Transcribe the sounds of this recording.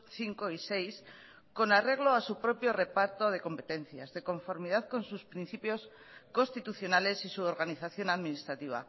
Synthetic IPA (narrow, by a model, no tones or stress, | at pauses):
θiŋko̞ise̞js | ko̞nare̞ɣ̞lo̞asupɾo̞pjo̞re̞paɾt̪o̞ð̞e̞ko̞mpe̞t̪ẽ̞n̟θja̰zðe̞ko̞ɱfo̞ɾmiðaðko̞nsuspɾin̟θipjo̞s | ko̞st̪it̪uθjo̞nale̞sisuoɾɣaniθaθjo̞naðminist̪ɾat̪iβ̞a̰